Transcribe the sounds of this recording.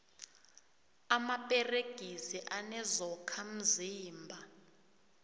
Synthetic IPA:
amapʼɛreɡ̥ʱisiʔanɛzɔkʰam̩ziːmbʱa

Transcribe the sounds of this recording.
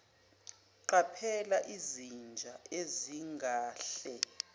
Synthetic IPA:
ǃapʰɛlaʔizind͡ʒʱaʔeziŋɡʱaːɬɛ

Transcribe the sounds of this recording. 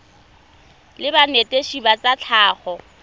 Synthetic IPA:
lɪbanetʼeʃibat͡sʼat͡ɬʰaːχɔ

